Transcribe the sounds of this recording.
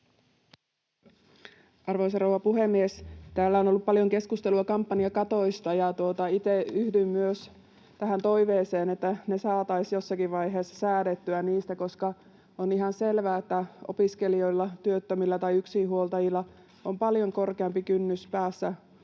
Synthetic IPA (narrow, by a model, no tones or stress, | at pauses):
ʔɑrʋojs̬ɑrouwʋɑpuɦe̞mːiest̪æːlːæono̞lːupːpɑljo̞ŋke̞skust̪e̞luɑkɑmpːɑniɑkɑt̪o̞jst̪ɑjɑt̪uot̪ɑit̪eyhdymːyøs | t̪æɦænt̪o̞iʋeːse̞ːnet̪ːæne̞sɑːt̪ɑisjo̞sːɑkiʋʋɑjɦeːsːɑ̥sæːdet̪ːyæniːst̪æko̞skɑ | o̞niɦɑnse̞lʋæːet̪ːæo̞̰piske̞lio̞jlːɑt̪yøt̪ːømilːɑt̪ɑjyksiɦuolt̪ɑjilːɑ | ompɑljo̞ŋko̞rkeɑmpikynːyspæːsːæ